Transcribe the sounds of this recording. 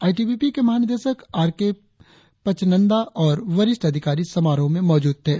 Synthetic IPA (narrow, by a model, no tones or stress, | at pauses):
aːiʈiːbiːpikemɐɦaːnɪd̪eːʃəkaːɾke | pɐt͡ʃnə̃nd̪aʔɔːɾʋɐɾɪʃʈɐd̪ʱɪkaːɾisɐmaːɾõmẽmɔːd͡ʒuːd̪̚ɦɛː